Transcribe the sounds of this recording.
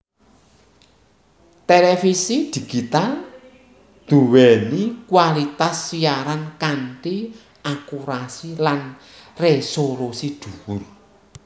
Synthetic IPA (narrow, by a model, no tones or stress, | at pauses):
t̪elefisid̪̥i̤ɡ̥it̪al | d̪̥uwɛnikwalit̪asːiaɾankanʈi | ʔakuɾasilan | resolusiɖ̪̥uwʊr